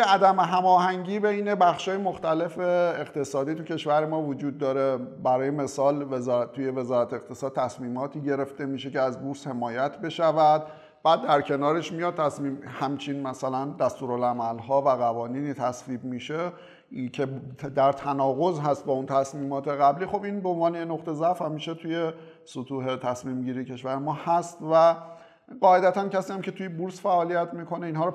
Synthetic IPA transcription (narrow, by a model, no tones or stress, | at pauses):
jeæd̪æmeɦæmɒːɦæŋɟiːbeiːnebæxʃɒːjemoxt̪æle̞fe̞ːɣt̪e̞sɒːd̪iːt̪ucʰe̞ʃvæɾe̞mɒːvod͡ʒuːd̪ːɒːɾebæɾɒːjeme̞sɒːlvezɒɾt̪uje̞ve̞zɒːɾæt̪ʰeːqt̪ʰe̞sɒːd̪̥̚t̪ʰæsmiːmɒːt̪ʰiːɟe̞ɾe̞ft̪e̞miːʃe̞ceæzbuɾshe̞mɒːjæt̪ʰbe̞ʃævæd̪̚ | b̥æːd̪ːæɾcʰe̞nɒːɾe̞ʃmijɒd̪̚t̪ʰæsmiːmhæmt͡ʃʰinmæsælænd̪æst̪uːɾolæmælɦɒːvæɣævɒːniːniːt̪ʰæsviːbmiːʃe | cʰe̞d̪æɾt̪ʰænɒːɣo̞zɦæst̪̚bɒunt̪ʰæsmiːmɒːt̪ʰe̞ɣæbliːxo̞binbeonvɒːnejenoɣt̪ʰe̞zæfhæmːiʃe̞t̪ʰuje̞ | sot̪ʰuːɦe̞t̪ʰæsmiːmɟiːɾijecʰe̞ʃvæɾemɒːhæst̪væ | ɢɒːe̞d̪æt̪ʰæncʰæsiːjæmcʰe̞t̪ujebuɾsfæʔɒːlijæt̪ʰmiːkʰo̞neiːnɦɒːɾ